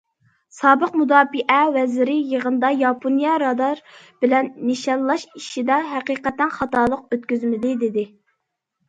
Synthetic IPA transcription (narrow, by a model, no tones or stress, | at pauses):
sɑːbəqmud̪ɑːbiʔɛwɛzɾɪjəʁənd̪ɑjɑpʰonijɑɾɑd̪ɑɾ | b̥ɪlɛnːiʃɑnlˠɑʃiʃid̪ɛɦɛqiːqɛt̪ːɛnχɑt̪ɑːlˠəq̚øt̪̚kʲyzmɪd̪ɪd̪ɪd̪ɪ